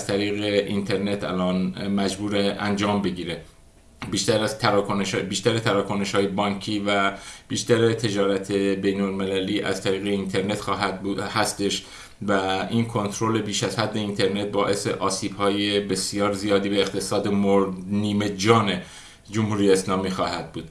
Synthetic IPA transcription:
æz̥t̪ʰæɾiːɣeʔint̪ʰe̞ɾne̞t̪ʰæ̰lɒːnmæd͡ʒbuːɾeænd͡ʒɒːmbe̞ɡiːɾe | biːʃt̪æɾæzt̪ɾkoʃbiːʃt̪æɾet̪ʰæɾɒːkʰone̞ʃhɒːjebɒːncʰiːvæb̥iːʃt̪æɾet̪ʰe̞d͡ʒɒːɾæt̪ʰebe̞jnolmelæliːʔæ̰zt̪ʰæɾiːɣeint̪ʰe̞ɾne̞t̪xɒːɦæd̪̚buhæst̪e̞ʃ | væiːnkʰo̞nt̪ʰɾole̞biːʃæzhæd̪ːe̞int̪ʰe̞ɾne̞t̪̚bɒːʔe̞se̞̰ʔɒːsiːb̥hɒːje̞be̞sijɒːɾzijɒːd̪iːbeːχt̪ʰe̞sɒːd̪emoɾdniːme̞d͡ʒɒːne | d͡ʒomhuːɾijeːslɒːmiːxɒːhæd̪̚buːd̪

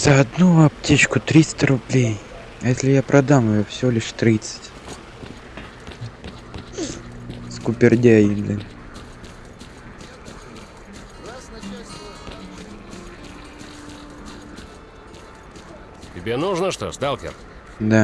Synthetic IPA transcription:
z̥əɐd̪nuɐptʲet͡ɕkʊt̪ɾʲist̪əɾʊblʲej | ɐjesʲlʲɪjapɾʔɐd̪aməjofsʲɪvolʲɪʂt̪ɾʲit̪sɨ̥tʲ | skʊpʲɪrdʲæjinlʲɛ | tʲɪbʲenuʐnəʂt̪o̰st̪alˠkʲɪ̰r | d̪a

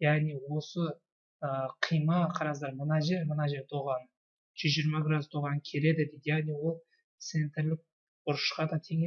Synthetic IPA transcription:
jæʁniwo̞sə | əqʰijmɑqʰɑɾɑzd̪ɑɾmənɑʒe̞ɾmənɑʒe̞ɾt̪ʰoʁɑnə | ʒ̥ʏzʒiɾmɑɡʲɾat̪ʰoʁɑnəkʲʰe̞ɾe̞d̪ɪd̪et̪jæʁniwo̞lˠ | t̪se̞nt̪ɾlɪk̚ | bʊɾəʃqɑd̪ɑt̪ʰe̞ŋe

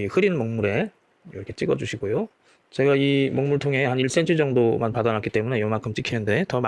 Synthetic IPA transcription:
ihɯɾinnmʌŋmuɾe̞ | ɾʌkʰe̞t͡ɕ͈iɡʌd͡ʑuɕʰiɡojo | t͡ɕe̞ɡaimʌŋmuɭtʰoŋɦe̞haniɭs͈ent͡ɕʰɯd͡ʑʌŋdomanpadʌnak͈ʰit͈e̞mune̞jʌmakʰɯmt͡ɕ͈ʰikʰinɯnde̞tʌm

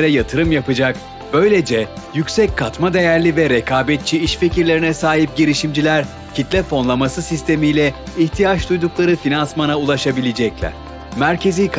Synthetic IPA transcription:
ɾɛjat̪ʰɯɾɯmjapɯd͡ʒak | b̥ø̞jlʲe̞d͡ʒɛ | jycʲsɛckʰːat̪mad̪e̞jæɾlʲivɛɾekʰaːbɛt̪̚t͡ʃʰiiʃfeciɾlʲe̞ɾinɛsaːɦip̚ɟiɾiʃimd͡ʒilʲæɾ | cit̪lʲɛfo̞nlˠamasɯsist̪ʰe̞mijlʲɛ | içt̪ʰijat͡ʃd̪ujd̪uklˠaɾɯfinansmanaulˠaʃabilʲed͡ʒɛclʲɛ̰ | mæɾcʰe̞ziːk

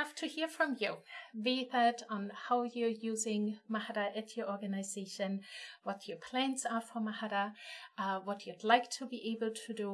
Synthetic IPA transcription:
aftʰəhiəɹfɹə̃mjuveθədn̩haʊjə˞juːzɪ̃ŋmahaɾəʔɪtʰjə˞ɔɹɡənaɪzeɪʃə̃nwʌtʰjəpʰl̥æ̃nsəfə˞mahaɾə | wʌt͡ʃudˡlaɪk̚tʰəbiʔeɪbəlˠtʰədə

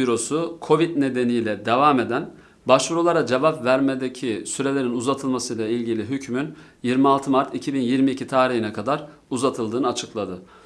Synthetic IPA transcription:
iɾo̞sukʰo̞vit̪ne̞d̪e̞nijlʲɛd̪evaːme̞d̪æn | baʃvuɾulˠaɾad͡ʒevapvæɾme̞d̪ecʰisyɾe̞lʲe̞ɾinuzat̪ʰɯlˠmasɯjlˠailʲɟilʲiɦycmynjiɾmialˠt̪ʰɯmaɾt̪ʰicʰibinjiɾmiːcʰit̪ʰaːɾiɦinɛkʰad̪aɾ | uzat̪ʰɯlˠd̪ɯːnɯat͡ʃʰɯklˠad̪ɯ

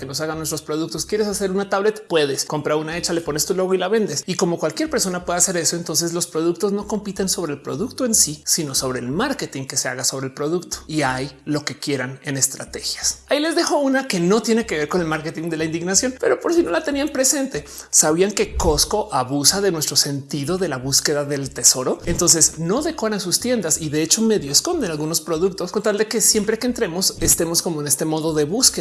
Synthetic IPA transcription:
keno̞s̬aɣanwest̪ɾo̞spɾo̞ðuk̚t̪oskje̞ɾesase̞ɾunat̪aβle̞t̪pwe̞ðe̞sko̞mpɾaunae̞t͡ʃale̞po̞nest̪ulo̞ɣoilaβe̞nd̪e̞siko̞mo̞kwalkje̞ɾpe̞ɾso̞napwe̞ðase̞ɾe̞so̞ent̪o̞ns̬e̞zlo̞spɾo̞ð̞ukt̪o̞zno̞ko̞mpit̪e̞nso̞β̞ɾelpɾo̞̰ðukt̪o̞e̞nsisino̞so̞β̞ɾe̞ːlmaɾke̞t̪iŋke̞se̞a̰ɣaso̞βɾelpɾo̞ðukt̪o̥iajlo̞ke̞kje̞ɾane̞ne̞st̪ɾa̰t̪e̞xjasaile̞zðexo̞unake̞no̞t̪je̞ne̞ke̞βe̞ɾkone̞lmaɾket̪iŋd̪e̞laind̪iɣnasjo̞npe̞̰ɾo̞po̞ɾsino̞lat̪e̞niampɾese̞nt̪e̞ | saβiaŋke̞ko̞sko̞ʔaβusaðe̞nwe̞st̪ɾo̞se̞nt̪iðo̞ðe̞laβuske̞ðaðe̞lt̪e̞so̞ɾo̞ent̪o̞nse̞sno̞ðe̞kwaɾansust̪je̞nd̪asiðe̞et͡ʃo̞me̞ðjoesko̞nd̪e̞nalɣuno̞spɾo̞ðukt̪o̞sko̞nt̪ald̪e̞ke̞sje̞mpɾekeːnt̪ɾe̞mo̞se̞st̪e̞mo̞sko̞mo̞ene̞st̪emo̞ðo̞ðeβuske

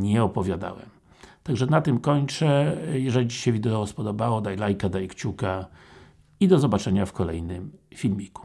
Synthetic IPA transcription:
ɲɛɔpɔvʲjad̪a̰wɛ̰m | t̪aɡʐɛnat̪ɘmkɔɲt͡ʂɛjɛʐɛlʲit͡ɕi̥ɕɛvʲid̪ɛɔspɔd̪ɔbawɔd̪ajlajkad̪ajkt͡ɕuka | id̪ɔzɔbat͡ʂɛɲafkɔlɛ̰jnɘmfʲilmʲiku̥

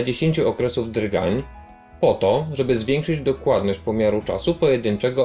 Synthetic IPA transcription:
d͡ʑeɕeɲʲt͡ɕuɔkɾɛsuvd̪ɾɡa̰ɲ | pɔt̪ɔʐɛbɘzvʲjɛŋkʂɘd͡ʑd̪ɔkwad̪nɔɕt͡ɕpɔmʲjaɾut͡ʂa̰supɔjɛd̪ɘnt͡ʂɛɡɔ

